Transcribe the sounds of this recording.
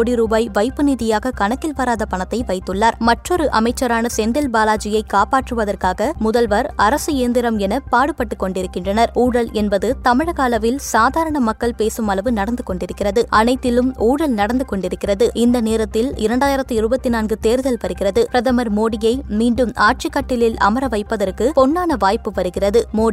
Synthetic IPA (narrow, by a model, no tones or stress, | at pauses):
oːɽiɾuːbaːɪʋɐɪpːɯniːðɪjaːɣɐkɐɳɐkːɪlʋɐɾaːðɐpɐɳɐt̪ːɐɪʋɐɪt̪ːɯɭːaːɾmɐʈrɔɾɯʔɐmɐɪt͡ʃːɐɾaːnɐsɛnd̪ɛlbaːlaːd͡ʒɪjɐɪkːaːpaːʈrɯʋɐðɐrkaːɣɐmʊðɐlʋɐɾɐɾɐsɯeːnd̪ɪɾɐmɛnɐpaːɽɯpːɐʈːɯkːɔɳɖɪɾɯkːɪndrɐnɐɾuːɽɐlɛnbɐðɯt̪ɐmɪɻɐɣaːlɐʋɪlsaːðaːɾɐɳɐmɐkːɐɭpeːsɯmɐlɐʋɯnɐɽɐnd̪ɯkɔɳɖɪɾɯkːɪrɐðɯʔɐnɐɪt̪ːɪlɯmuːɽɐlnɐɽɐnd̪ɯkɔɳɖɪɾɯkːɪrɐðɯɪnd̪ɐneːɾɐt̪ːɪlɪɾɐɳɖaːjɪɾɐt̪ːɯɪɾɯbɐt̪ːinaːnɡɯt̪eːɾɯðɐlpɐɾɯɣɪrɐðɯpɾɐðɐmɐɾmoːɽɪjɐɪmiːɳɖɯmaːʈ̚t͡ʃɪkːɐʈːɪlɪlɐ̰mɐɾɐʋɐɪpːɐðɐrkɯpɔnːaːnɐʋaːjpɯʋɐɾɯɣɪrɐðɯmoː